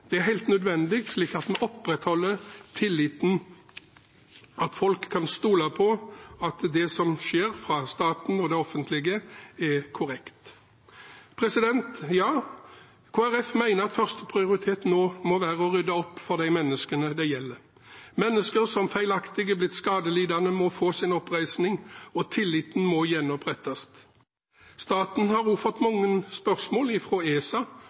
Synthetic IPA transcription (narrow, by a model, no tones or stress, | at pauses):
d̪̥ɛæɦæɪlt̪nœd̪ʋɛnd̪ɪk̚t̪sliːkɑt̪mɛʔɔpːɾɛt̪hɔlːət̪ʰɪlːɪt̪n̩ | ɑt̪fɔlkʰːɑnst̪uːlɑpʰɔɑt̪d̪ɛsɔmʃeːɾfɾɑst̪ɑːt̪n̩ɔd̪ɛɔfənt̪lɪɡəɛkʰʊɾɛkt̪ | pʰɾɛsɪd̪ɛnt̪jɑː | kʰoːæʁɛfmæɪnəʁɑt̪fœʁst̪əpʰʁɪʊɾɪt̪ʰeːt̪noːmɔʋæːʁəɔʁʏd̪ɑɔpːfɔʁd̪æɪmɛnːəskənəd̪æɪjɛlːə | mɛnːəskəɾsɔmfæɪlɑkt̪ɪɡəblɪt̪skɑːd̪əliːd̪ɑnəmɔfoːsɪnɔpʁæɪsnɪŋɔt̪ʰɪlːɪt̪n̩mɔjɛnɔpʰʁɛt̪ːɑst̪ | st̪ɑːt̪n̩hɑɾuːfəʁt̪mɑŋːənspœʁsmoːlɪfɾoːeːsɑ